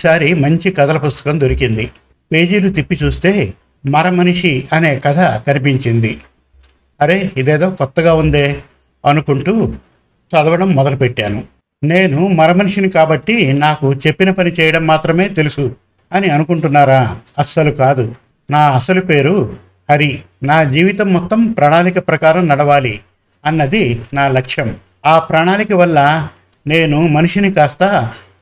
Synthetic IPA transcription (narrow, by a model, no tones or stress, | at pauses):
saːɾimɐɲt͡ʃikɐd̪ɐlɐpust̪ɐ̥kɐmd̪oɾikind̪i | pe̞ːd͡ʒiːlut̪ipːit͡ʃuːst̪e̞ː | mɐɾɐmɐniʂiɐne̞ːkɐd̪ʰʱɐkɐnipiɲt͡ʃind̪i | ɐɾe̞ːid̪eːd̪o̞ːkɔt̪ːɐɡaːund̪e̞ː | ɐnukuɳʈuː | sɐd̪ɐʋɐɽɐmːɔd̪ɐlupeʈːaːnu | ne̞ːnumɐɾɐmɐniʂinikaːbɐʈːinaːkut͡ʃe̞pːinɐpɐnit͡ʃɛːjɐɽɐmːaːt̪ɾɐme̞ːt̪e̞lusu | ɐniɐnukuɳʈunːaːɾaːɐsɐlukaːd̪u | naːɐsɐlupe̞ːɾu | hɐɾinaːd͡ʒiːʋit̪ɐmːɔt̪ːɐmpɾaːɳaːlikɐpɾɐkaːɾɐmnɐɽɐʋaːli | ɐnːɐd̪inaːlɐkʂjɐm | aːpɾaːɳaːlikɐʋɐlːɐ | ne̞ːnumɐnuʂinikaːst̪ɐ